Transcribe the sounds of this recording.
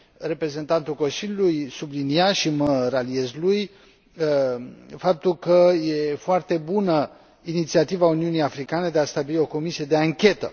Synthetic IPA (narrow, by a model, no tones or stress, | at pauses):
re̞pɾe̞ze̞nt̪ant̪ulko̞nsiljulujsubliniaʃiməɾalie̞zluj | fap̚t̪ulkəje̞foart̪e̞bunə | init̪siat̪ivauniunijafɾikane̞d̪e̞ast̪abilio̞ko̞misie̞d̪e̞aŋkʲe̞t̪ə̰